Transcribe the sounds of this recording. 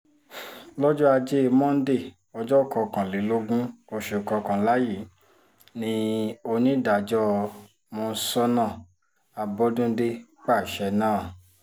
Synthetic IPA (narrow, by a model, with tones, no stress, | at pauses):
lɔ˦d͡ʒɔ˦a˧d͡ʒe˦˧mɔ̃˦n̩˦de˦˨ | ɔ˧d͡ʒɔ˦˨kɔ˧kã˨le˨˦lo˦ɡũ˦o˧ʃu˨kɔ˧kã˨la˦ji˦˨˦ | nĩ˧o˧nĩ˦da˨d͡ʒɔ˦˧ | mõː˧n̩˦sɔ˦nã˦˨ | a˧bɔ˧˦dũ˦de˧k͡pa˦˨ʃɛ˧nãː˦˨